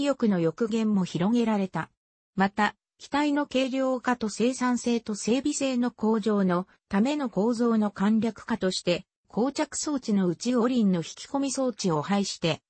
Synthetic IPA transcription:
ijo̞kɯ̟no̞jo̞kɯ̟ɡẽ̞mːo̞çiɾo̞ŋe̞ɾaɾe̞t̪a | mat̪a | kʲi̥t̪aino̞ke̞ːɾʲjo̞ːkat̪o̞se̞ːsãɰ̃se̞ːt̪o̞se̞ːbʲise̞ːno̞ko̞ːʑo̞ːno̞ | t̪ame̞no̞ko̞ːzo̞ːno̞kãnɾʲakɯ̟̥kat̪o̞ɕi̥t̪e̞ | kʰoːt͡ɕakɯ̟̥so̞ːt͡ɕino̞ɯ̟t͡ɕio̞ɾʲĩnːo̞çi̥kʲi̥ko̞mʲiso̞ːt͡ɕio̞haiɕi̥t̪e̞

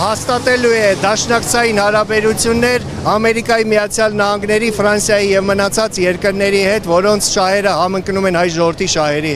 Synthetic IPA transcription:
hɑst̪ɑt̪ɛluɛd̪ɑʃnɑkt͡sʰɑjinhɑɾɑbɛɾut͡sʰjunːɛɾ | ɑmɛɾikɑjimijɑt͡sʰjɑlnɑhɑŋɡnɛɾifɾɑnsjɑjijɛvmənɑt͡sʰɑt͡sjɛɾkəɾnɛɾihɛt̪vɔɾɔnt͡sʰʃɑɦɛɾəhɑməŋknumɛnɑjʒɔvəɾt̪ʰiʃɑɦɛɾiɛ

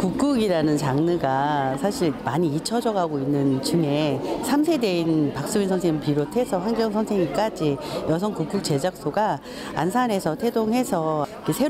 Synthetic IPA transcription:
kuk̚k͈uɡiɾanɯnt͡ɕaŋnɯɡasʰaɕʰiɭmaɲiit͡ɕʰʌd͡ʑʌɡaɡoinːɯnt͡ɕɯŋe̞sʰamsʰe̞de̞inpak̚s͈uinsʰʌnsʰeŋpiɾotʰe̞sʰʌhaŋɡjʌŋsʰʌnsʰeŋik͈ad͡ʑijʌsʰʌnkuk͈̚uk̚t͡ɕe̞d͡ʑak̚s͈oɡa | a̰nsʰanɦe̞sʰʌtʰe̞doŋɦe̞sʰʌikʰesʰe̞

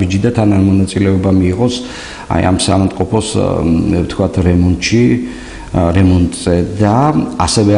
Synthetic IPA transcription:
bid͡ʒid̪at̪ʰananmɔnat̪sʼilɛɔbamiːʁɔs | a̰ja̰msamamt̪ʼqʼɔpʰɔs | ft̪ʰkʰwat̪ʰɾɛmɔnt̪ʼʃi | ɾɛmɔnt̪ʼz̥ɛd̪aasɛvɛ

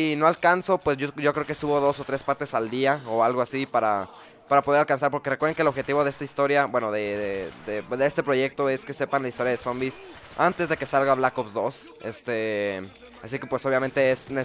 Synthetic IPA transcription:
ino̞alkanso̞pwe̞soɟ͡ʝo̞kɾeokesuβo̞ðo̞so̞t̪ɾe̞spaɾt̪e̞sald̪iaoalɣoasipaɾa̰ | paɾapo̞ð̞eɾalkansaɾpoɾkerekweðeŋkelo̞βxe̞t̪iβo̞ðe̞est̪aist̪o̞ɾjabwe̞no̞ðed̪ed̪eest̪e̞pɾo̞ʝe̞k̚t̪o̞eske̞se̞panlaist̪o̞ɾjaðeso̞mbis | ant̪e̞zðe̞ke̞salɣaβlakopzd̪o̞sest̪e | asike̞pwe̞so̞βjament̪e̞esne

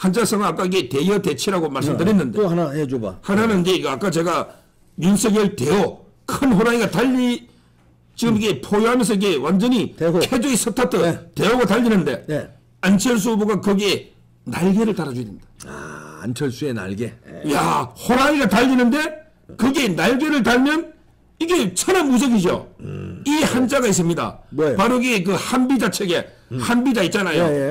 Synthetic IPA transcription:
hant͡ɕʰasʰʌŋaak͈aiɡete̞jʌte̞t͡ɕʰeɾaɡomaɭsɯmtɯɾinːɯndeanaɦeoba̰hananɯnid͡ʑe̞iɡak͈at͡ɕe̞ɡa | junsʰeɡeɯɭte̞o | kʰɯnɦoɾaŋiɡataʎːi | t͡ɕiɡɯmike̞pʰojoɦamjʌns̬ʰʌike̞wand͡ʑʌɲikʰed͡ʑoisʰʌtʰatʰɯte̞oɡataʎːinɯnde̞ | ant͡ɕʰʌɭs̬uboɡakɯɡe̞ | naɭɡe̞ɾɯɭtaɾad͡ʑuɾendaaa̰nt͡ɕʰʌɭsuena̰ɭɡejahoɾaŋiɡataʎːinɯnde̞ | kɯɡe̞naɭɡe̞ɾɯɭtaɭmjʌn | iɡe̞t͡ɕʰʌnanmːud͡ʑʌɡid͡ʑo̰ihand͡ʑaɣais̬͈ɯmɲida̰paɾoɡek̬ɯhanbid͡ʑat͡ɕʰeɡe̞hanbid͡ʑait̚t͡ɕ͈anajo

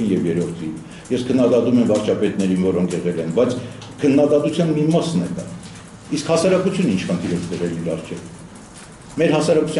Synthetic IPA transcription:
injɛvjɛɾɔɾt̪ʰin | jɛskʰənːɑd̪ɑt̪umɛmvɑɾt͡ʃʰɑpɛt̪nɛɾinvɔɾɔŋkʰɛʁɛlɛnbɑjt͡sʰ | kʰənːɑd̪ɑt̪ut͡sʰjɑnmimɑsnɛd̪ɑ̰ | iskhɑsɑɾɑkut͡sʰjunint͡ʃʰχənt̪ʰiɾɛɾt̪ɛʁɛliɾɑrt͡ʃʰɛv | mɛɾɦɑsɑɾɑku̥t͡sʰ

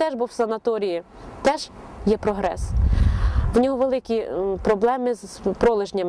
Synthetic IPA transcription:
t̪ɛʒbuwsɐnɐt̪ɔɾʲiji | t̪ɛʒjɛpɾɔɦɾɛ̰s | wnʲɔɦɔʋelˠɪkʲipɾɔblˠɛmɪzpɾɔlˠɪʒnʲɐm

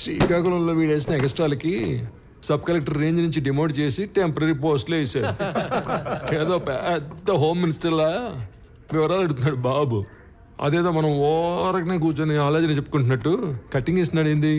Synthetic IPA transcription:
sʋḭkaːkulɐulloːʋiːɭeːs̬inɐɛɡɐsʈɾaːlɐki | sɐb̚kɐlek̚ʈɐɾːe̞ːɲd͡ʒnuɲt͡ʃiɖimoːɖt͡ʃe̞ːsiʈempɐɾɐɾip̬oːsʈloɛːsaːu | eːd̪oːpɛd̪ːɐɦoːmːinisʈɐɾlɐ | ʋiʋɐɾaːlɐɽut̪unːaːɽubaːbu | ɐ̰d̪ɛːd̪oːmɐnɐmɔːɾɐkɐneːɡuːt͡ʃɐːniaːleːd͡ʒɐnit͡ʃepːu̥kuɳʈunːɐʈːukɐʈːiŋɡeːst̪unːaːɽjnd̪i

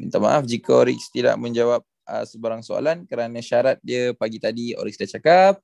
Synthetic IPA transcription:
mənt̪ama̰ʔafd͡ʒikəoɾḭkst̪ida̰ʔmə̃ɲd͡ʒawap̚ | ə̰səbaɾaŋsoa̰lankəɾanãʃaɾat̪̚diəpaɡit̪adio̰ɾiksdaht͡ʃakap̚

